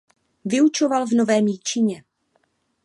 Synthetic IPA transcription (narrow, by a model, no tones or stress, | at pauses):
vɪut͡ʃovalvno̞vɛːmjit͡ʃɪɲɛ